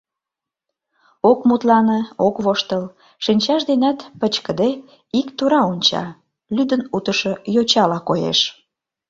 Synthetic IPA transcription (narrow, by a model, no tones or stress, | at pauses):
okmut̪lɑnə̆okβoʃt̪əl | ʃinʲt͡ɕɑʃd̪enæt̪pət͡ɕkəd̪e | ikt̪uɾɑunʲt͡ɕɑ̰ | lyd̪ənut̪əʃɤ̆jot͡ɕɑlɑkojḛʃ